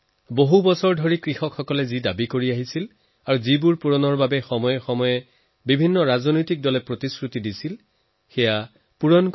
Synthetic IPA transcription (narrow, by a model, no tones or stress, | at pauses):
boɦubɔsɔɹdʱoɹikɹixɔkxɔkɔlɛzidabikoɹiaɦisil | aɹuzibuɹpuɹɔnɔɹbabɛxɔmɔjɛxɔmɔjɛ | bibʱinːɔɹazɔnojtik̚dɔlɛpɹotiskɹutidisil | xɛja | puɹɔnk